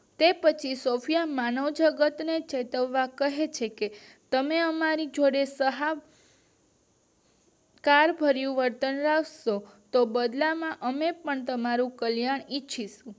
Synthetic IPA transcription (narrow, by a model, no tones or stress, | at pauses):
t̪epət͡ʃʰisofʰijamanəwd͡ʒəɡət̪net͡ʃet̪əʋːakəɦet͡ʃʰeke | t̪əmeəmaɾid͡ʒoɽesəɦa | kaɾbʱəɾjũʋəɾt̪ənɾaʋʃot̪obəd̪lamãʔəmepəɳt̪əmaɾũkəljaɳit͡ʃʰiʃũ